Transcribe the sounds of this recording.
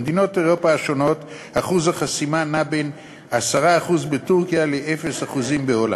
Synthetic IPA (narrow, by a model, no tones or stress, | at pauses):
d̪ino̞te̞ʁo̞paʃo̞no̞t | haχuzhaχasimanaben | asaʁaːχuzbetuʁkijaleʔefesaχuzimbeo̞la̰